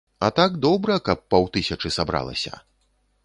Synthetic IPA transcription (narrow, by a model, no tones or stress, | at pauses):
ɐt̪aɡd̪ɔbɾɐkɐpːɐwt̪ɨsʲɐt͡ʂɨsabɾa̰lˠɐ̰sʲɐ̰